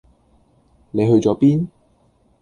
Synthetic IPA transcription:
ne˨˧jɦɵ˧ɥt͡sɔː˨˥piː˥n

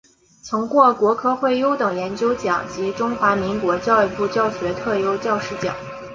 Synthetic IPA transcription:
t͡sʰɤ˧˥ŋkwɔ˥˩kwɔ˧˥kʰɤ˥˧xwe˥˩ɪjo˥ʊt̪ɤ˨˩ŋjɛ˧˥nt͡ɕjo˥ʊt͡ɕjɑ̰˨˩˦ŋt͡ɕi˧˥ʈ͡ʂʊ˥ŋxwa˧˥mi˧˥ŋkwɔ˧˥t͡ɕjɑ˥˧ʊi˥˧pu˥˧t͡ɕjɑ˥˩ʊɕɥɛ˧˥t̪ʰɤ˥˩jo˥ʊt͡ɕjɑ˥˧ʊʂɻ̩˥˩t͡ɕjɑ̰˨˩˦ŋ

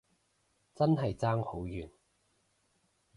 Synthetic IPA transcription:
t͡sɐ˥nɦɐ˨jt͡saː˥ŋho˨˥wjyː˨˩n

